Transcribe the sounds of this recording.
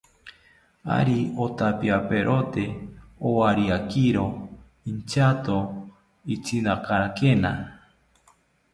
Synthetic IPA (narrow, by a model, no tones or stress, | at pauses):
a̰ɾiot̪apiapeɾʔot̪eowaɾiakiɾo | int͡ʃat̪o | it͡ʃinakaɾakena